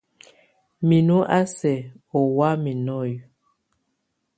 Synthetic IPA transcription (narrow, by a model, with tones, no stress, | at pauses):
mi˨nu˦ʔa˦sɛ˨ | ɔ˨wa˦mi˨nɔ˦˨j